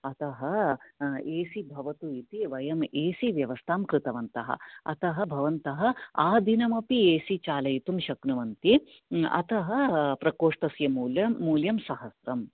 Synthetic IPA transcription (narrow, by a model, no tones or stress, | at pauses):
ɐt̪ɐɦɐ | eːsibʱɐʋɐt̪uit̪iʋɐjɐmeːsiʋjɐʋɐst̪ʰaːmkɾɨt̪ɐʋɐnt̪ɐɦɐ̰ɐ̰t̪ɐɦɐ̆bʱɐʋɐnt̪ɐɦɐ̆aːd̪ʱinɐmɐpieːsit͡ʃaːlɐjit̪umʃɐknuʋɐnt̪i | ɐ̰t̪ɐɦɐ̆pɾɐkoːʂʈɐsjɐmuːlɐːuːljɐmsɐɦɐsɾɐm